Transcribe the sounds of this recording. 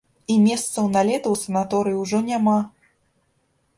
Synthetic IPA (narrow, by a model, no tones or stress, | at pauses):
imʲɛst̪sɐwnalʲɛt̪ɐwsɐnat̪ɔɾɨjiwʐɔnʲama